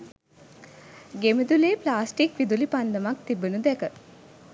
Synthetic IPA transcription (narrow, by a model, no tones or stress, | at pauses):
ɡemid̪uleːplaːsʈikʋid̪ulipand̪əmak̚t̪ibunud̪ɛkə